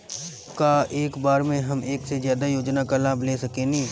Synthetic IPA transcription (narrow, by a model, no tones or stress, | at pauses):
kaːʔeːkbaːɾmẽɦɐmeːksezjaːd̪ajoːd͡ʒnakalaːbʱleːsɐkẽnĩː